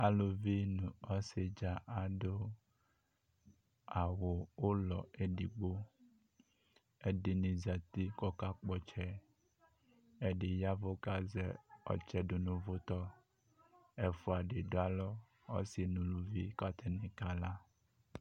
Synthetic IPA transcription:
a˨lo˨vi˦nũ˨ɔ˦se˨d͡ʒa˦ʔa˨ɖo˦ | a˨wo˨wo˦lɔ̰˨e˦ɖi˨ɡ͡bo˦ | e˦ɖe˨nĩ˨za˨t̪i˦kɔ˦ka˦k͡pɔ˦t͡ʃɛ˦ | e˦ɖe˨ja˦vo˦ka˦zɛ̰˦ɔ̰˨t͡ʃɛ˦ɖo˨nũ˦vo˦t̪ɔ˦ | e˨fo˨a˨ɖe˨ɖo˦a˦˨lɔ˦ | ɔ̰˦si˨nũ˨lu˨vi˦ka˦t̪ʰe˦nĩ˨ka˦la˦

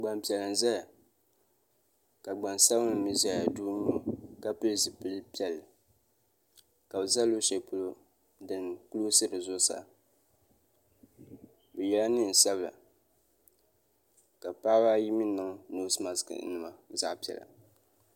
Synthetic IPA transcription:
ɡ͡ba˨mpi˨ɛ˨lɨ˨n˨za˦ja˨ | ka˨ɡ͡ba˨n˨sa˦bnɨ˨mi˦zɛ˦ja˨duː˦ɲi˦o˨ka˦pɨ˦lzɨ˨pɨ˦lɨ˦pi˦ɛ˨lːɨ˨ | ka˨bɨ˨za˦lːo˦ʃɛ˨po˦lo˦ | dɨ˨n˨ku˦lo˦sɨ˦ɾɨ˨zʊ˦sa̰˨ | bɛ˨jɛ˦la˦nɨ˦n̩˨sa˦bɨ˨la̰˨ | ka˨pa˦baː˦ji˦mi˦nɨ˦ŋ˦no˦sma˨skɨ̰˨nɨ˨ma˨za̰˦ʔpi˨ɛ̰˨la̰˨

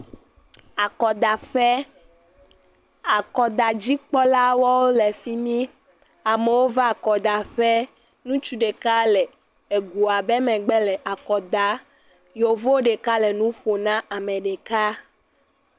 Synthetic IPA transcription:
a˨kɔ˨d̪a˨ɸɛ˦ | a˨kɔ˨d̪a˨d͡ʑi˦k͡pɔ˦la˦wɔ˦wo˦lɛ˨fi˦mĩ˦ | a˨me˨wo˦va˦a˨kɔ˨d̪a˨ɸɛ˦ | nũ˦t͡ʃu˦ɖe˨ka˦lɛ˨ | e˨ɡu˨a˨bɛ˦mɛ̃˨ɡ͡bɛ˦lɛ˨ʔa˨kɔ˨d̪a˨ | jo˨vo˦ɖe˨ka˦lɛ˨nũ˦ɸo˨nã˦ʔa˨mɛ̃˨ɖe˨ka˦

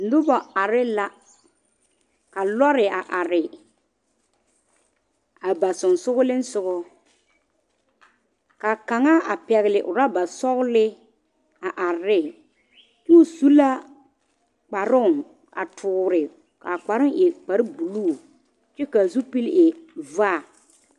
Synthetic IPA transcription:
n̩˨dʊ˦bɔ˨a˨ɾɪ˦la˦ | ka˨lɔ˦ɾɪ˨a˨ʔa˨ɾɪ˨ | a˨ba˨sʊ˨n˨sʊ˦ɣʊ˦lɪ˦n̩˦sʊ˦ɣɔ˦ | ka˨ka˨ŋa˦a˨pɛ˨ɣɪ˨lɪ˨ʔʊ˨ɾa˦ba˨sɔ˦ɣʊ˦lɪ˦ | a˨ʔa˨ɾɪ˦˨ | t͡ʃɛ˦ʊ˦su˦la˦ | k͡pa˨ɾʊ˦˨ŋ | a̰˨tʰʊː˨ɾɪ˨ | ka˨k͡pa˨ɾʊ˦ŋʔɛ˨k͡pa˨˦ɾɪ˦bu˨luː˦˨ | t͡ʃɛ˦ka˨zu˦pi˦lʔɪ˨vaː˦˨

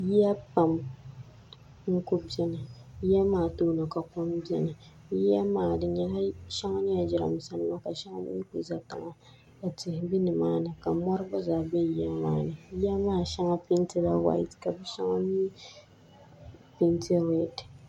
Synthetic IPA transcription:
ji˦a˦pa˨m | ŋ̩˦kʊ˦bi˦ɛ˦nɨ˨ji˦a˦maː˦˨toː˦no˨ka˨kʊ˦mbi˦ɛ˦nɨ˨ | ji˦a˦maː˨dɨ˨ɲɛ˦la˦ʃɛ˦ŋa˦ɲɛ˦a˨d͡ʒɪ˦ɾa̰˨m˨sa˦nɨ˦ma˦ka˨ʃɛ˦ŋa̰˦bɨ̰˦ɲi˦ku˨za˨ta̰˨ŋa˨ | a˨tɪ˨hbi˦nɨ˨maː˦nɨ˨ka˨mɔ˦ɾɨ˦ba˦zaː˨bɛ˦˨ji˨˦a˦maː˦nɨ˨ji˦a˦maː˦˨ʃa˦ŋa˦pi˦n˦tɨ˦la˦wa̰˨j̰tka˨bɛ˦ʃɛ˦ŋa˦miː˦ | pi˦ntʰi˦wɛ˨d

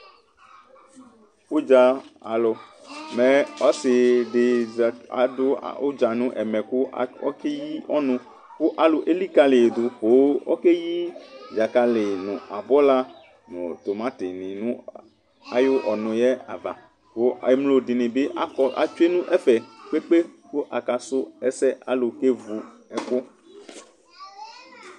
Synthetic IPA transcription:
wo˦d͡ʒa˨a̰˨lɔ˨mɛ̃˨ɔ˦sɪ˨ɖɪ˨a̰˨do̰˦˨o˦d͡ʒa˨nũ˦ʔɛ˨mɛ̃˨ku˦ɔ̰˦ke˦ji˦ɔ˦nũ˦ | ko˦ʔa˨lo˨ʔe˦li˦ka˦le˨d̪o˨ɸo˨˦wɔ̰˦ke˦ji˦d͡ʒa˨ka˨lɪ˨nṵ̃˨a˨bɔ˦la˦ | nõ̰˨t̪o˨mã˦tɪ˨nĩ˨nũ˦ | a̰˦jo˦ʔɔ˨nʊ̃˨jɛ˦a̰˨va̰˨ | ko˦˨e˦mlo˨di˨nĩ˨be˦ʔa˦kɔ˦ʔa˨t͡ʃe˦nũ˦ʔɛ˦fɛ˨k͡pe˦k͡pe˦ko˦ʔa˨ka˨sʊ˦ɛ˦sɛ˦ʔa̰˦lo˨ke˦vu˨ | ɛ˨ko˦

